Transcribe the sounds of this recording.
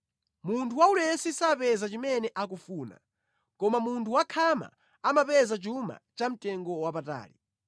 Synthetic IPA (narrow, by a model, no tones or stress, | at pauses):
muntʰuwaulɛsisapɛzat͡ʃimɛnɛʔak̬ufuːna̰ | kɔmamuntʰuwakʰama̰ | amapɛzat͡ʃuma̰t͡ʃam̩tʼɛŋɡɔwapata̰ːlḭ